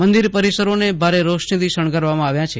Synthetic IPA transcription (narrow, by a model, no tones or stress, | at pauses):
mənd̪iɾpəɾisəɾonebʱaɾeɾoʃnid̪iʃəɳ̃kəɾʋamãaʋjãt͡ʃʰe